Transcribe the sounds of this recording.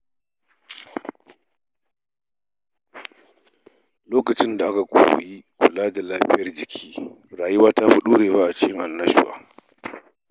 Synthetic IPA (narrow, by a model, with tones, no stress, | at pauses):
loː˦kɐ˨t͡ʃɪ˦nda˨ʔa˦ka˨kʷʼo̰ː˨w̰jiː˦kʷʊ˨laː˦da˨laː˦ɸɪ˦jɐ˦rd͡ʒɪ˨kʲʰiː˦ | ɾaː˨ji˦waː˦ta˦ɸʊ˦ɗuː˦ɽeː˨baː˦ʔa˨t͡ʃɪ˦kʲɪ˦ŋʔa˨nːɐ˦ʃʊ˦wa̰ː˦